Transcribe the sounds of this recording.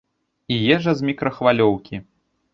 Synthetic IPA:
ijɛʐɐzmʲikɾɐxvalʲɔwkʲi

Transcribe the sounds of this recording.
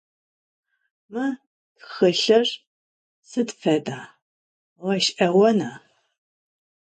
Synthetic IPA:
mɨ | txɨɬɐr | sɨdfɐdaː | ʁɐʃʔɐwɐnaː

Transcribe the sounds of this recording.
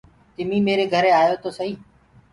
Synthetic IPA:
t̪ɪmiːmeːɾeːɡʱəɾeːaːjoːt̪oːsəɦĩː

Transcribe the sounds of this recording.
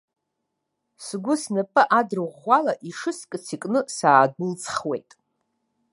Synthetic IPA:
sɡʷʊsnɨpʼɨʔadrɨʁʷalaʔiʂɨskʼɨt͡sʰikʼnɨsaːd̚ɨlt͡sʼʰχwḛjtʼ

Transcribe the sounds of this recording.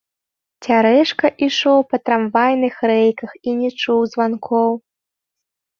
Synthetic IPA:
t͡sʲaɾɛʂkɐʔiʂɔwpɐt̪ɾamvajnɨxɾɛjkɐxinʲɛt͡ʂuwzvankʰɔw

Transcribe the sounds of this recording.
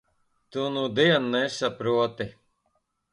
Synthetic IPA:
t̪unud̪iɛnːɛsapɾuɔt̪i

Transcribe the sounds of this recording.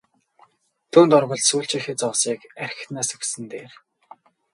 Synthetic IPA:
t̪ʰuːnt̪ɔrʁɞ̆ɮsuːɬt͡ɕĭxĕt͡sɔsiːkæɾ̆ʲxnaːsɵksɘ̆nt̪eːr

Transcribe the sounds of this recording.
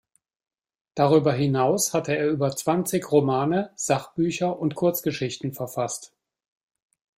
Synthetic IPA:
d̥aʁ̞yːbɐɦɪnaʊshatəeːɐʔyːbɐt͡sv̥ant͡sɪçʁomaːnəz̥aχb̥yːçɐʔʊntkʰʊɐt͡sɡ̥əʃɪçtn̩fɛɐfast

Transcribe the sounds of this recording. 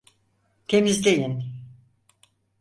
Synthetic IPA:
t̪ʰe̞mizd̪ejin

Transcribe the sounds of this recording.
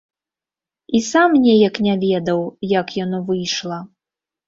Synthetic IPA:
isamnʲɛjɐknʲavʲɛd̪ɐwjakjanɔvɨjʂlˠɐ

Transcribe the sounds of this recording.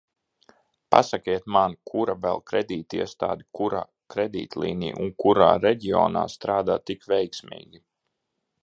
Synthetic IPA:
pa̰sakiɛt̪mankʰuɾavɛlˠkɾɛd̪iːt̪iɛst̪a̰ːd̪ikuɾa̰ː | kɾɛd̪ḭːt̪lˠḭːnḭːʔunkuɾa̰ːɾɛɟiɔ̰ːna̰ːst̪ɾaːd̪aːt̪ikvɛjksmḭːɡʲi

